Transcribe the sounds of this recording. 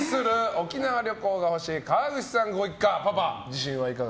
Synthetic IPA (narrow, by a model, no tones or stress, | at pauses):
sɨɾɯ̟o̞kʲinaβaɾʲo̞ko̞ːɡaho̞ɕiːkaβaɡɯ̟t͡ɕi̥sãŋɡo̞ikːapapad͡ʑiɕĩɰ̃βaikaɡ